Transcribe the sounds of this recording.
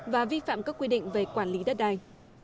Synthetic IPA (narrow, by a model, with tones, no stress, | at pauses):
vaː˨˩vi˧fa̰ː˧˨mkaː˦˥kːwi˧ɗḭ˧˨ŋ̟ve˨˩kwaː˧˩nli˨˦ɗə˦˥t̚ɗaː˧˩j